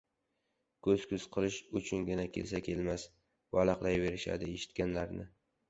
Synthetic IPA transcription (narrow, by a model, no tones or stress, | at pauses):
kʰɵzkʰʲʊz̥qʰɨlɪʃʊt͡ʃʰʊnɡʲɪnakʲʰe̞lsakʲʰe̞lmas | valɑqlajve̞ɾɪʃa̰d̪ɪeʃɪ̥t̪̚kʲanlaɾnɪ